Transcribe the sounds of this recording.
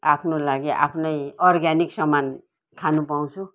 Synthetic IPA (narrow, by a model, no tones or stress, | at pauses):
apʰnolaɡiʔa̰pʰnʌjʌrɡaniksʌman | k̪ʰanupaw̃t͡sʰu